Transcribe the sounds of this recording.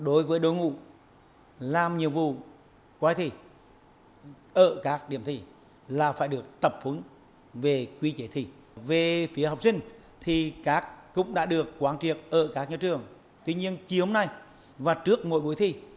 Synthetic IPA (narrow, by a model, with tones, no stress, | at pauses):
ɗo˨˦jvəː˨˦jɗo˧˦jŋṵ˧˨ | laː˨˩mɲḭ˧˨əwvṵ˧˨ | kwaː˧jt̪ʰi˧˩ | ʔəː˧˩kaː˦˥k̚ɗḭ˧˩əmt̪ʰi˧˩ | laː˨˩faː˧˩jɗɨ˨˩ək̚t̪ə˨˩p̚hu˨˦n | ve˨˩kwi˧t͡ɕe˨˦t̪ʰi˧˩ | ve˨˩fi˨˦əɦa˨wk͡p̚sï˧ŋ̟ | t̪ʰi˨˩kaː˦˥k̚ːʊ̰˧˥ŋ͡mɗa̰ː˧˥ɗɨ˨˩əkkwaː˨˦nt͡ɕi˧˨˩ət̚ʔəː˧˩kaː˦˥k̚ɲɔ˧˩t͡ɕɨ˨˩əŋ | t̪wi˧ɲi˧ənt͡ɕi˧ho˧mna˧˩j | vaː˨˩t͡ɕɨ˦˥ək̚mo̰˧˩jɓu˨˦jt̪ʰi˧˩